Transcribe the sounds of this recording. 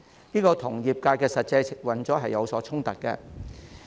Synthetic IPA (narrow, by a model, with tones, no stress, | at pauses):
niː˥kɔː˧t̪ʰʊ˨˩ŋjiː˨p̚kaː˧jkɛː˧sɐ˨t̚t͡sɐ˧jt͡sʰɪ˨k̚wɐ˨˥nt͡sɔː˨˥ɦɐ˨jːɐ˨˧wsɔː˨˥t͡sʰʊ˥ŋt̪ɐ˨k̚kːɛ̰˧